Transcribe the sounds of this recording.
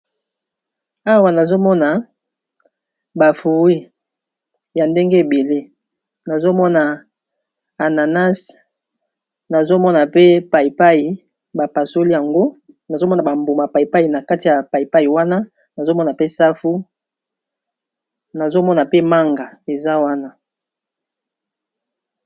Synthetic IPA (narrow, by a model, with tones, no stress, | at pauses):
a˦wa˨na˨zo˦mɔ˦na˨ | ba˨fu˨ʁi˦ | ja˨nde˦ŋɡe˦e˨be˨le˦ | na˨zo˦mɔ˦na˨ | a˨na˨na˦s | na˨zo˦mɔ˦na˨pe˦pa˨i˨pa˦ji˨ | ba˨pa˨so˦li˦ja˨ŋɡo˦ | na˨zo˦mɔ˦na˨ba˨mbu˨ma˨pa˨i˨pa˦i˨na˨ka˦ti˨ja˨pa˨i˨pa˦i˨wa˦na˦ | na˨zo˦mɔ˦na˨pe˦sa˦fu˦ | na˨zo˦mɔ˦na˨pe˦ma˦ŋɡa˨e˨za˦wa˦na˦